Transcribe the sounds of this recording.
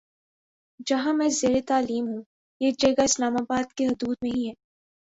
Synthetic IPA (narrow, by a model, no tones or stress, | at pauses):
d͡ʒɐɦãmɛ̃ːzeːɾet̪aːliːmɦũ | eːd͡ʒɐɡaɪslaːmabaːd̪keɦʊd̪uːd̪nẽɦĩɦɛː